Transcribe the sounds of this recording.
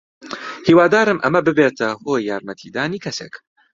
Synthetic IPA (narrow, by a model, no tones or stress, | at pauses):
hiːwaːd̪aːɾɨmʔɐmɐbɨbet̪ʰɐhoːjːaːɾmɐt̪ʰiːd̪aːniːkʰɐseːk